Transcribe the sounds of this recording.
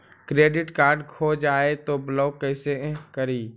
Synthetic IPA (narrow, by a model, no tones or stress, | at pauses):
kɾeːɖɪʈkaːɾɖkʰoːd͡ʒaːet̪oblɔːkɛːsekəɾiː